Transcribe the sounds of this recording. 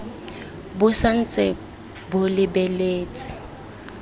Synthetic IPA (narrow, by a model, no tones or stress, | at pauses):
bʊsan̩t͡sʼɛ | bʊlɪbɛleːt͡sʼɪ̥